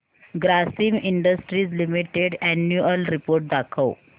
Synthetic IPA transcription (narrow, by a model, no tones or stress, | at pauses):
ɡɾasiːmiɳɖəsʈɾiːd͡zlimiʈeɖɛnjuəlɾipoɾʈ̚d̪akʰəw